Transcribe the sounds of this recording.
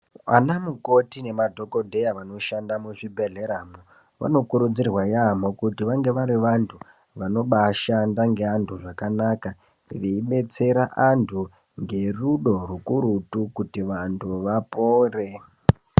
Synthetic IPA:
a̰namuko̞tine̞madʱo̞ko̞dʱejaʋano̞ʃandamuʐibʱe̞ɮe̞ɾaːmo | ʋa̰no̞kuɾud͡zirwajamokutiʋaŋɡe̞ʋaɾiʋantʰu | ʋano̞ɓaʃandaŋɡe̞antʰuʐakanaka | ʋeiɓe̞t͡se̞ɾaʔantʰu | ŋɡe̞ruɗo̞r̤ukuɾutukutiʋantʰuʋapoːre

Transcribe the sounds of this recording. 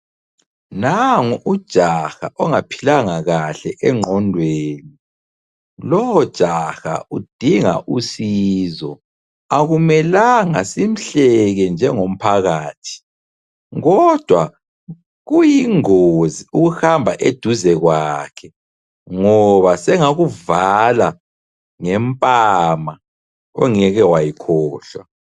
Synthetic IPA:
naŋuud̥ʒ̥ʱaxa̰ʔɔŋapʰilaŋaɣaɬɛʔɛŋ͡ǃʱɔndʱweːni | lɔwɔd̥ʒ̥ʱaxa̰ud̥ʱiŋa̰ʔusizɔ̰ | aɣumɛlaŋasim̩ɬɛɣɛnd͡ʒʱɛŋom̩pʰaɣaːtʰi̥ | ɔd̥ʱwa | ɣujiŋoziuɣuxambʱaʔed̥ʱuzɛɣwakʰɛ | ŋɔβasɛŋaɣuvala | ŋɛmpʼama | ɔ̰ŋɛɣɛwajikʰɔːɬwa̰

